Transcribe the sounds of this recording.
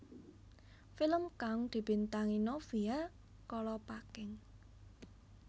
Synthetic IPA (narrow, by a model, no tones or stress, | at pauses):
filəmkaŋd̪̥i̤b̥i̤nt̪aŋinɔfia | kɔlɔpakɪŋ